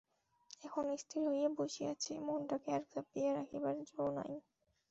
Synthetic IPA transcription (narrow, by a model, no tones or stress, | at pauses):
ɛkʰonoist̪ʰiɾɦojeboʃiat͡ɕʰemonʈakeɛɾkzapieɾakʰebaɾd͡ʑona̰j